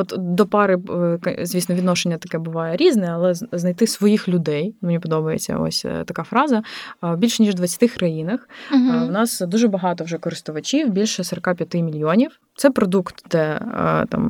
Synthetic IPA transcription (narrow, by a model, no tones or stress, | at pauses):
ɔt̪d̪ɔpɑɾɪkɐzʋʲisnɔʋʲid̪nɔʃenʲːɐt̪ɐkɛbʊʋɑjɛɾʲiznɛɐlˠɛznɐjt̪ɪsʋɔjixlʲʊd̪ɛjmenʲipɔd̪ɔbɐjḛt͡sʲːɐ̰ɔ̰sʲt̪ɐkɑfɾɑzɐwbʲilʲʃnʲiʒd̪ʋɐt͡sʲɐ̥t̪ɪxkɾɐjinɐxwnɑsd̪uʒɛbɐɦɑt̪ɔwʒɛkɔɾɪst̪ʊʋɐt͡ʃʲiwbʲilʲʃɛsɔɾɔkɑpʲjɐt̪ɪmʲilʲjonʲiw | t̪sɛpɾɔd̪ukt̪d̪ɛ̰t̪ɑ̰m